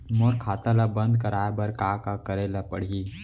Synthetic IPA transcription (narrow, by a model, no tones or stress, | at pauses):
moɾkʰaːt̪alabə̃nd̪kəɾaːebɐɾkaːkakəɾelapəɽ̤i